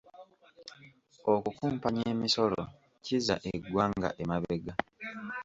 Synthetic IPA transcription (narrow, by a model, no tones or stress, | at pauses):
okukuːmpaɲeːmiso̞lo̰ | ciza̰ʔeɡwaːŋɡa̰ʔemaβe̞ɡa